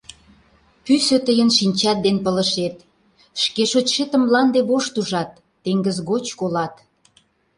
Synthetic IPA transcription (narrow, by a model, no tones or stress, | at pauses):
pysøt̪əjənʃinʲt͡ɕɑt̪̚d̪enpələ̆ʃet̪ | ʃkeʃot͡ɕʃet̪ə̆mlɑnd̪eβoʃt̪uʒɑt̪ːeŋɡəzɣot͡ɕkolɑt̪